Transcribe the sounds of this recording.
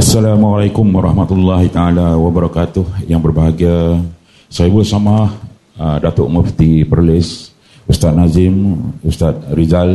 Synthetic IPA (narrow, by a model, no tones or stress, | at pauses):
ʔasːalamalajkʊmwaɾɑhmat̪ulːaɦit̪aalawabəɾakat̪ʊhjaŋbərbaɦaɡia | saibʊʔsamah | dat̪ʊʔməft̪ipərlɪs | ʔust̪at̪̚nazɪmust̪at̪̚rizal